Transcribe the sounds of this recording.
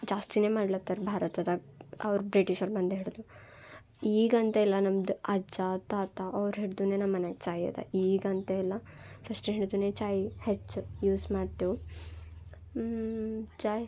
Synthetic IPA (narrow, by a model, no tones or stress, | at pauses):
d͡ʒaːst̪ineːmaːɽlɐt̪ːɐɾbʱaːɾɐt̪ɐd̪ɐɐ̰ʋɐɾbɾiʈiʃɐɾbɐnd̪eɦeːɭd̪u | iːɡɐnt̪ɐɛlːɐnɐmd̪uɐd͡ʒaːt̪aːt̪ɐʔɐʋɾɦeɽd̪uːneːnɐmːɐneɡt͡ʃaːjɐ̰t̪ɐ̰iːɡɐnt̪ɐilːɐfʰɾɐsʈɦeɽd̪uneːt͡ʃaːjhet͡ʃːjuːsmaːɖt̪eʋu | t͡ʃaːj